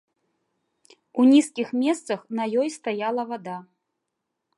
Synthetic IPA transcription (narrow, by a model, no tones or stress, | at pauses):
unʲiskʲixmʲɛst̪sɐxnɐjɔjst̪ajalˠɐvad̪a